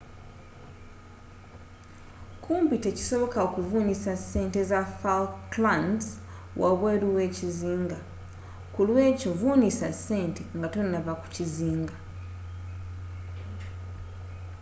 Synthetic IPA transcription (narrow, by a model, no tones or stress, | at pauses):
kʰuːmbite̞ci̥so̞βo̞kaokuvuːnisase̞ːnte̞zafalklant | wʔaβweːɾuwe̞ːciziːŋɡa | kulwe̞ːco̞vuːnisasːe̞ːnteŋɡatonːaβaku̥ciziːŋɡa